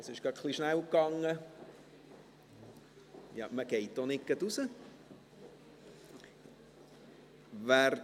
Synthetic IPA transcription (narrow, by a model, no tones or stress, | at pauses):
əsɪʃɡ̥ɑtχliʃnæwkːɑŋːə | jɑ̰məɡ̥ɛɪtdonɪk̚ɡ̥ətusə | ʋæɾ